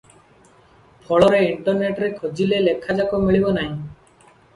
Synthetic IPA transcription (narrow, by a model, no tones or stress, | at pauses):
pʰɔɭɔɾeiɳʈɔɾneʈɾekʰod͡ʒilelekʰːad͡ʒakomiɭibɔnaɦĩ